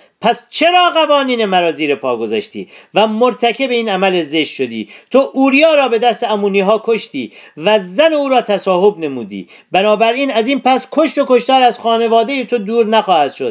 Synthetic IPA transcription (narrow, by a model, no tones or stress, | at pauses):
pʰæst͡ʃʰeɾɒːɣævɒːniːnemæɾɒːziːɾepʰɒːɡo̞zæʃt̪ḭːvæmoɾt̪ʰækʲʰe̞beiːnæmælezeʃt̪ʃo̞d̪ḭːt̪ʰoʔuːɾijɒːɾɒːbe̞d̪æst̪eæmuːniːɦɒːkʰo̞ʃt̪iːvæzːæneuːɾɒːt̪ʰæsɒːɦo̞bne̞muːd̪ḭː | bænɒːbæɾiːnæziːnpæskʰo̞ʃt̪o̞koʃt̪ɒːɾæzxɒːne̞vɒːd̪e̞jet̪ʰo̞d̪uːɾnæxɒːhæd̪̥ʃo̞d̪̥